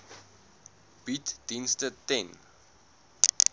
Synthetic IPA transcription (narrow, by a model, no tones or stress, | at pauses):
b̥itd̥instətɛn